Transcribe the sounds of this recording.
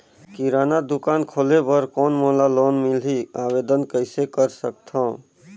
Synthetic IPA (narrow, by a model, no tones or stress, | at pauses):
kiɾaːnad̪ukaːnkʰolebəɾkɔːnmolaloːnmiliaʋeːd̪ənkəɪsekəɾsək̚t̪ʰɔ̃